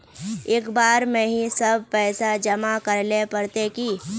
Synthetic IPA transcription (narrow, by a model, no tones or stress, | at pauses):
eːkbaːɾmẽːɦĩsəb̚ʱpɛːsad͡ʒɐmakəɾlepəɾt̪eki